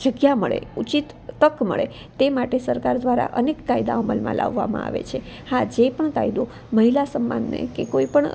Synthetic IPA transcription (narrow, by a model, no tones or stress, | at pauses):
d͡ʒəɡjaməɭḛut͡ʃit̪ːəkmə̰ɭe | t̪emaʈesəɾkaɾd̪ʋaɾa̰ʔənekːaid̪aəməlmã̰lʔa̰ʋːamã̰a̰ʋḛt͡ʃʰe | had͡ʒepəɳkaid̪u | məɦilasəmːa̰nːḛkekoipəɳ